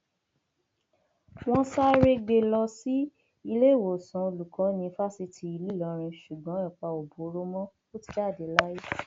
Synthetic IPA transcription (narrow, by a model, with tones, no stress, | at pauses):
w̃ɔ̃˦sa˦ɾe˧ɡ͡be˧lɔ˧si˦ | i˧le˦˨wo˨sã˨˦o˧lu˨kɔ̃˨˦nĩ˧fa˦si˦tʰi˧i˧li˦lɔ˨˦ɾ̃ĩ˧ʃu˨ɡ͡bɔ̃˨˦ɛ˨k͡pa˧o˨bo˨˦ɾo˦mɔ̃˦fo˦ti̥˧˦d͡ʒa˦˨de˨˦la˦ji˦